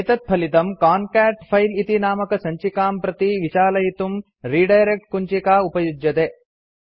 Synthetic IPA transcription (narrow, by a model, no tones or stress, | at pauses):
t̪ɐt̪̚pʰɐlit̪ɐmkaːnkaːʈpʰɐjlit̪inaːmɐkɐsɐɲt͡ʃikaːmpɾɐt̪iʋit͡ʃaːlɐjit̪um | ɾiːɖɐjɾek̚ʈ̚kuɲt͡ʃikaːupɐjud͡ʒjɐt̪eː